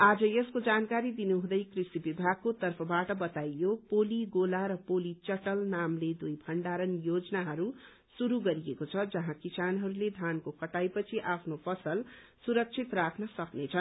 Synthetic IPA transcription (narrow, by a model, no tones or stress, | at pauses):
ad͡zʌjeskod͡zankaɾid̪inuɦũd̪ʌjkrisibibʱaɡ̚kot̪ʌrpʰʌbaʈʌbʌt̪ajjopoliɡolaɾʌpolit͡sʌʈʌlnamled̪ujbʱʌɳɖaɾʌnjod͡znaɦʌɾu | suɾuɡʌɾijekot͡sʰʌd͡zʌɦãkisanɦʌɾuled̪ʱankokʰʌʈajpʌt͡sʰiʔapʰnopʰʌsʌl | suɾʌk̚t͡sʰit̪rakʰnʌsʌknet͡sʰʌn